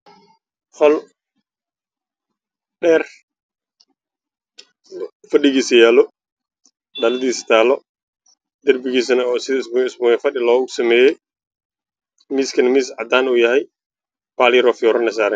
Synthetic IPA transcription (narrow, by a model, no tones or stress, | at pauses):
fɐlʊ | ɖɛːr | fɐɗɪɣiːsɐjaːlɔ | ɗɐlɐðiːsɐ̥t̪ʰaːlɔ | d̪ɐrbɪɣiːsɐnɐɔːsɪðɐɪsbɪsbʊːjɛfɐɗɪlɔːɣʊsɐmɛːjɛj | miːskʰɐnɐmiːsʕɑd̪aːnuːjɐhɛj | baːlɪɾɔːfjɔːɾɐnɐs̬aːɾɛn